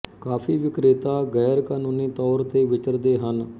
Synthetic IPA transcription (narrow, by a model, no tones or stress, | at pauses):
kaːpʰiːʋɪkɾɪt̪aːɡɛːɾkaːnoːniːt̪ɔːɾt̪eːʋɪt͡ʃəɾd̪eːɦən